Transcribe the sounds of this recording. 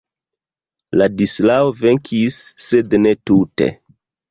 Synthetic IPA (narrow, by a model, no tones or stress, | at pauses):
ladislaove̞ŋkʰisːedne̞tute̞̰